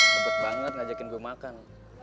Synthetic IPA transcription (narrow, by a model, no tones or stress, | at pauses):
əbək̪̚baŋət̪̚ŋad͡ʒakɪnɡuamakan